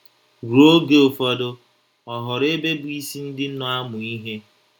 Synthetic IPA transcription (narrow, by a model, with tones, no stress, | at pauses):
ɾu˨o˦ɡe˦o˨fɔ˦dʊ˦ | ɔ˨ɦʊ˨ɾe˦be˦bu˨i˦si˦n̩˦dɪ˦n̩˦nɔ˦a˦mʊ˨i˦ɦe˦